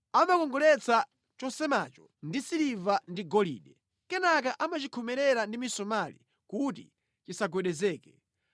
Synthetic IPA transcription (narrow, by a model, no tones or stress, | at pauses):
amakɔŋɡɔlɛt͡sa | t͡ʃɔsɛmat͡ʃɔ | ndisiɾivandiɡɔlḭːɗɛ | kɛnakaʔamat͡ʃikʰɔmɛɾɛɾandimisɔmalḭ | kuti | t͡ʃisaɡwɛɗɛzɛːkɛ